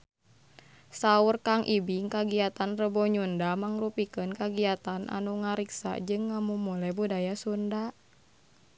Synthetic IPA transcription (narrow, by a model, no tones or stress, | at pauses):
saurkaŋʔibiŋkaɡiat̪anrəbɔɲundamaŋrupikənkaɡiat̪anʔa̰nuŋaɾiksa̰d͡ʒɨŋːamumulɛbudajasunda